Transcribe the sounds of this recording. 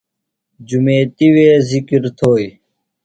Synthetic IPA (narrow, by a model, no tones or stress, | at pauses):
d͡ʑumeːt̪iweːzikɾt̪ʰoːj